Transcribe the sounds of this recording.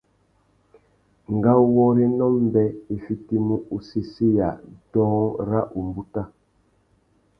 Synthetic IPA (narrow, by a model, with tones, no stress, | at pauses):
ŋ˨ɡa˦wɔ˦ɾe˦nɔ˦m˦bɛ˦e˨fi˦ti˦mu˦ʔu˦si˦si˦ja˨dɔ̃ː˦ŋɾa˦ʔu˨mbu˦ta˦